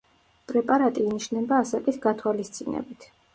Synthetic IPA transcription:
pʼɾɛpʼaɾat̪ʼiːniʃnɛbaːsakʼisɡat̪ʰwalist̪sʼinɛ̰bit̪ʰ

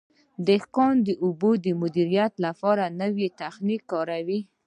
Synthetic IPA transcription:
d̪əhkɑnd̪əʔʊbod̪əmʊd̪iɾijat̪lapɑɾanəwet̪axnikːɑɾawi

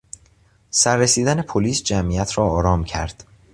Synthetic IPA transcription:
sæɾːesiːd̪æne̞pʰoliːsd͡ʒæmijæt̪ʰɾɒːɒːɾɒːmcʰæ̰ɾd̪̥

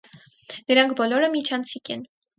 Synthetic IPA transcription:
nəɾɑŋkʰbɔlɔɾəmit͡ʃʰɑnt͡sʰikɛn

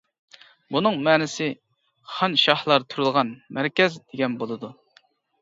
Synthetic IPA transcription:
bunɨŋmɛːnɪsɪ | χɑnʃɑhlˠɑɾt̪ʰuɾɨlˠʁɑnmæɾkʲɛzd̪̥eɡʲɛnbolˠɨd̪u

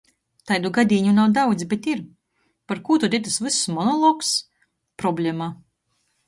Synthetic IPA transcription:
t̪ajd̪uɡad̪ʲiːɲunawd̪awd̪zʲbʲet̪iɾ | paɾkuːt̪ud̪ʲit̪ɨsvɨsːmɔnɔlˠɔks | pɾɔblʲemaː

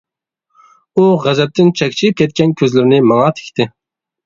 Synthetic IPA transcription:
uʁæzɛp̚t̪ɪnt͡ʃʰɛkʲt͡ʃʰip̚kʲʰɛt̪̚kʲɛnkʲʰøzlɪɾɪnɪmɑŋɑt̪ʰe̥kʲt̪ʰɪ

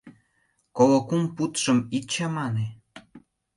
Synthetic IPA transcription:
kolŏkumput̪ʃəmit͡ɕɑmɑne

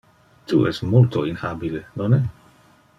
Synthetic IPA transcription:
t̪ṵʔɛ̰st̪molt̪oinhabilenonɛ

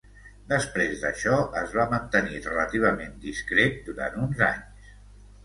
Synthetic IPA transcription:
d̪əspɾezðəʃɔʔəzβamənt̪ənirələt̪iβ̞əmend̪iskɾet̪̚d̪uɾa̰nt̪unza̰ɲs

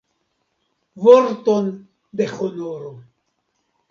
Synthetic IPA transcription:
voɾton | d̪exonoɾo

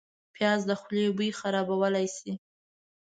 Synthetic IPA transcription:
pjɑzd̪əxlebujxaɾɑbawəlajsi

